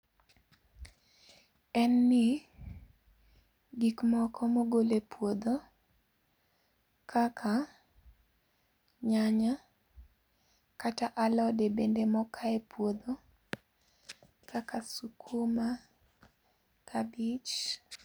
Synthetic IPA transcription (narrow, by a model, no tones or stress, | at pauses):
ɛnːɪ | ɡikmɔkʰɔmoɡolepwod̪o | kʰakʰa | ɲaɲa | kataʔalɔdebendemɔkʰaɛpwod̪o | kʰakasukʰuma | kʰabit͡ʃ